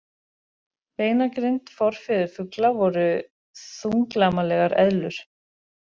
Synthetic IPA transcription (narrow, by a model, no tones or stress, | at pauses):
veːjnakɾent̪fɔɾ̥fɪðʏɾfʏklavɔɾʏ | θuŋklamalɛɣaɾɛ̰ðlʏɾ̥